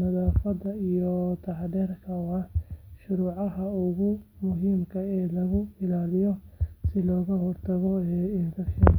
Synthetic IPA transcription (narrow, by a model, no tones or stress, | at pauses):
mɐðaːfɐd̪ɐijɔt̪ʰɑħdɛrkʰɐwɑʃʊɾuːʕɑɦɐʊɣʊmʊɦiːmkʰɐɛːlɐɣʊɪlaːlɪjɔsɪlɔːɣɐhɔrt̪ʰɐɣɔɛːɪɡɐʃɐ